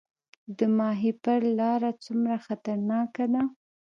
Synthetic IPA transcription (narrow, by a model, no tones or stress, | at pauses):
d̪əmɑɦipəɾlɑɾat͡sumɾaxat̪aɾnɑkad̪a